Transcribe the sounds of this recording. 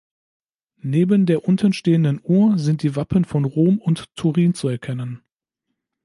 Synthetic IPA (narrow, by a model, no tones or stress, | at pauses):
neːbəndeːɐʔʊntʰənʃteːəndənʔuːɐzɪnt̚d̥iːvapʰənfɔnʁoːmʊnttʰːuʁiːnt͡suɛɐkʰɛnən